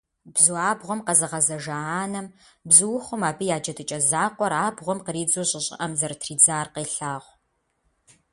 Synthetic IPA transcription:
bzuaːbʁʷɔmqɐzɨʁɐzɐʒɐaːnɐm | bzɨwʊχʷʊmaːbɨjaːd͡ʒɐdɨt͡ʃʼɐzaːqʷɔɾaːbʁʷɔmqəɾiːd͡zoɕʼɪɕʼɪ̰ʔɐmzɐrtʰriːd͡zaːrqeːɬaːʁʷ

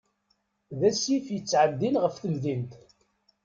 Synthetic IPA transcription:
ðæsifjət͡sːʕəd̪ːinʁəfθəlðint̪

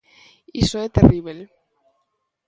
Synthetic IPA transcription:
isoet̪eriβel

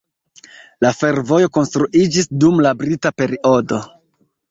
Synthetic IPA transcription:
lafe̞ɾvo̞jo̞ko̞nstɾuʔid͡ʒisdumlabɾitape̞ɾiʔo̞do̞

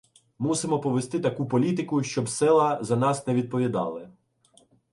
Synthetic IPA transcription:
musɪmɔpɔʋest̪ɪt̪ɐkupɔlʲit̪̬ɪkʊʃt͡ʃɔbsɛlˠɐzɐnɑsnɛʋʲid̪̚pɔʋʲid̪ɑ̰lˠɪ

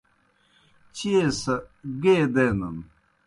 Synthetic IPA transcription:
t͡ɕiesɐɡeːd̪eːnɐn

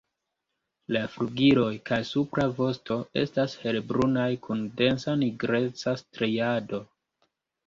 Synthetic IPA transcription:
lafɾuɡiɾo̞jkajsupɾavo̞sto̞e̞̰stashe̞lbɾunajkʰunde̞nsaniɡɾe̞t͡sastɾejado̞

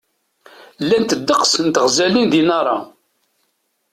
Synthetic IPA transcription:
lːænt̪əd̪ːəqsənt̪əʁzælinðinɑɾˤɑ̰

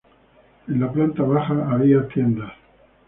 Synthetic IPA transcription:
enlaplant̪aβaxaːβiat̪je̞nd̪as

